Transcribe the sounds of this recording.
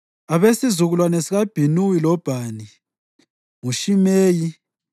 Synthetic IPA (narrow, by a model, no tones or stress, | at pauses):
aβesizuɣulwanesiɣab̥ʱinuwilɔb̥ʱani | ŋuʃimeːji